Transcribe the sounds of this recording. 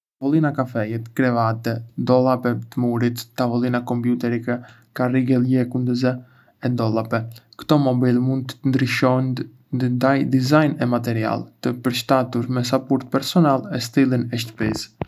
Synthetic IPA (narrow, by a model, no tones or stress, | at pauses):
t̪avɔlinakafɛjɛt̪kɾɛvat̪ɛd̪ɔlˠapɛt̪əmuɾit̪ːavɔlˠinakɔmpjut̪ɛɾikɛ | kariɡɛljɛkund̪əzɛ | ɛd̪ɔlˠapɛkə̥t̪ɔmɔbilmund̪̚t̪ənd̪ɾiʃɔn | d̪ajd̪izajnɛmat̪ɛɾia̰lt̪əpəɾʃt̪at̪uɾmɛs̬apɔɾt̪̚pɛɾsɔnalˠɛst̪ilinɛʃt̪ə̥pis